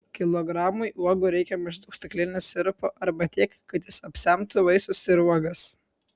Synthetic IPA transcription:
kʲɪlˠɔɡɾɑːmʊɪʔuɔɡʊɾʲɛɪkʲɛmʲɪʒd̪ʊkst̪ʲɐklʲɪːnʲosʲɪɾpoːʔɐɾbɐt̪ʲiɛkkːɐt̪jɪsɐpʲsʲɛmt̪ʊʋɐɪsʊsɪɾuɔɡɐs

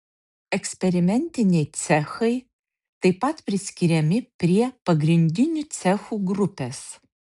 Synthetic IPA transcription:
ɛksʲpʲɛɾʲɪmʲɛnʲt̪ʲɪnʲɛjt͡s̪ʲæxɐɪ | t̪ɐɪpɐt̪pʲɾʲɪsʲkʲiɾʲɛmʲɪpʲɾʲiɛpɐɡɾʲɪnʲd̪ʲɪnʲut͡s̪ʲæxuːɡɾʊpʲes

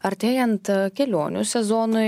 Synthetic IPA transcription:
ɐɾʲt̪ʲeːjɛnt̪kʲɛlʲoːnʲṵsʲɛzɔːnʊ

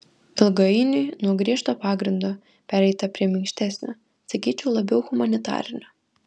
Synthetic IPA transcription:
ɪlˠɡɐɪnʲʊɪnuɔɡɾʲiɛʃt̪oːpɑːɡɾʲɪnd̪oː | pʲæːɾʲɛɪt̪ɐpʲɾʲiɛmʲɪŋkʃʲt̪ʲæsʲnʲoː | sɐkʲiːt͡ʃʲɛʊlˠɐbʲɛʊɣʊmɐnʲɪt̪ɑ̰ːɾʲɪnʲoː

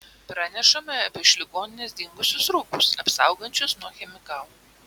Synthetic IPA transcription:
pɾɑːnʲɛʃɐmʲɛɐpʲɛʃʲlʲɪɡoːnʲɪnʲɛsd̪ʲɪŋɡʊsʲʊsɾʊkʊsɐpsɑˑʊɡɐnʲt͡ʃʲʊsnuɔxʲɛmʲɪkɑlˠ

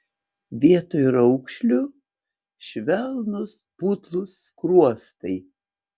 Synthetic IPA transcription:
ʋʲiɛt̪oːjɾɐʊkʃʲlʲʊ | ʃʲʋʲɛlˠnʊspuːt̪lˠʊsːkɾuɔst̪ɐɪ

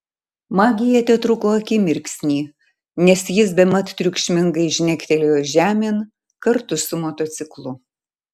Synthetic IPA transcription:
mɑːɡʲɪjɛt̪ʲɛt̪ɾʊkoːɐkʲɪmʲɪɾʲksʲnʲiː | nʲɛsjɪsbʲɛmɐt̪t̪ʲːɾʲʊkʃʲmʲɪŋɡɐɪʒʲnʲɛkʲt̪ʲɛlʲejoːʒʲæːmʲeːn | kɐɾt̪ʊsʊmoːt̪oːt̪sʲɪklˠʊ

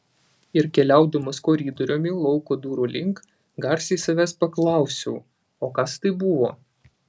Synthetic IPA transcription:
ɪɾkʲɛlʲæˑʊd̪omɐskoːɾʲiːd̪oɾʲoːmʲɪlˠɔʊkod̪uːɾuːlʲɪŋk | ɡɐɾsʲiːsɐʋʲæːspɐklˠɑˑʊsʲɛʊ | oːkɐst̪ɐɪbʊʋoː

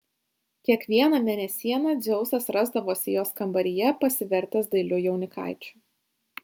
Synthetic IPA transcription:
kʲiɛkʋʲiɛnɐmʲɛnʲɛsʲiɛnɐd̪zʲɛʊsɐsɾɐzd̪ɐʋoːsʲɪjoːskɐmbɐɾʲɪjɛpɐsʲɪʋʲɛɾʲt̪ʲɛsd̪ɐɪlʲʊjɛʊnʲɪkɑ̰ˑɪt͡ʃʲʊ̥

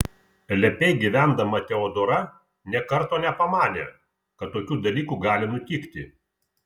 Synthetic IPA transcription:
lʲɛpʲɛɪɡʲiʋʲæˑnd̪ɐmɐt̪ʲɛɔːd̪oːɾɐ | nʲɛkɐɾt̪oːnʲɛpɐmɑːnʲḛ | kɐt̪ːoːkʲuːd̪ɐlʲiːkuːɡɑːlʲɪnʊt̪ʲiːkt̪ʲɪ

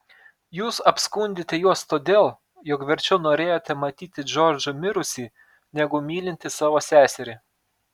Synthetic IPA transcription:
juːsɐpskʊnʲd̪ʲɪt̪ʲɛjuɔst̪oːd̪ʲeːlˠ | jɔkʋʲɛɾʲt͡ʃʲɛʊnoːɾʲeːjoːt̪ʲɛmɐt̪ʲiːt̪ʲɪd͡ʒɔɾʲd͡ʒʊmʲɪɾʊsʲiː | nʲɛɡʊmʲiːlʲɪnʲt̪ʲɪsɑːʋoːsʲæːsʲɛɾʲeː

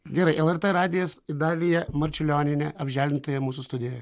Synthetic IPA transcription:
ɡʲɛɾɐɪʔɛlˠɛɾt̪ɛɾɑːd̪ʲɪjoːsɪd̪ɑːlʲɪjɛmɐɾʲt͡ʃʲɪlʲoːnʲɪnʲɛɐbʲʒʲæːlʲdʲɪnt̪oːjɛmuːs̬ʊst̪ʊd̪ʲɪjoːjɛ

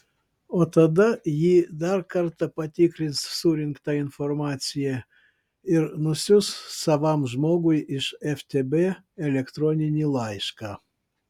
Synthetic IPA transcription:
ot̪ad̪ajid̪arkart̪apat̪ʲikɾʲissuɾʲinkt̪ainformat͡sʲije | iɾnusʲussavamʒmoɡujiʃeft̪ʲebe | elʲekt̪ɾonʲinʲilˠajʃka

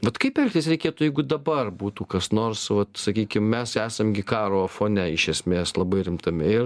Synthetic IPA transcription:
ʋɐt̪kɐɪpʲɛlʲkʲt̪ʲɪsɾʲɛɪkʲeːt̪ujɛɪɡʊd̪ɐbɐrbuːt̪uːkɐsnoːrsʋɐt̪sɐkʲiːkʲɪmmʲɛsæːsɐmɡʲɪkɑːɾoːfoːnʲɛɪʃʲɛsʲmʲeːslˠɐbɐɪɾʲɪmt̪ɐmʲɪɪr

